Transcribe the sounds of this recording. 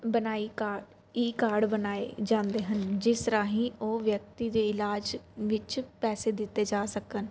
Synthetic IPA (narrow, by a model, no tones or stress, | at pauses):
bənaːikaː | iːkaːɾɖbənaːḛd͡ʒãːnd̪eːɦənd͡ʒɪst̪əɾãːɦĩːoːʋjək̚t̪iːd̪eːɪlaːd͡ʒʋɪt͡ʃpɛːseːd̪ɪt̪ːeːd͡ʒaːsəkən